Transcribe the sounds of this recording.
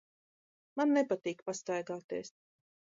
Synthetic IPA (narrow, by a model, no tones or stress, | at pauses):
manːɛpat̪iːkpast̪ajɡaːt̪eɛs